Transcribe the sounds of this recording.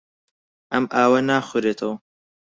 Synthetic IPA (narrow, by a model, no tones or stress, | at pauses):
ʔɐmʔaːwɐnaːxʊɾeːt̪ʰɐw